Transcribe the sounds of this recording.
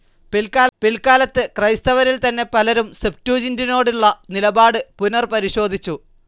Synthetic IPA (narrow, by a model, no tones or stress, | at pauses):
pilkaːpilkaːlɐt̪ːɨkrɐjst̪ɐʋɐɾilt̪ɐnːe̞pɐlɐɾumsep̚tuːd͡ʑɐndino̞ːɽiɭːɐnilɐbaːɽɨpunɐrpɐɾiɕo̞ːd̪ʱit͡ɕːu